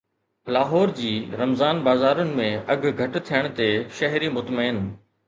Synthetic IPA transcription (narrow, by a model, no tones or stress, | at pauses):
laːɦɔːɾd͡ʑiːɾɐmzaːnbaːzaːɾʊnɪ̆mẽɐɡ̆ʱɡʱɐʈt̪ʰijəɽ̃t̪eʃɐɦɾimʊt̪məɪn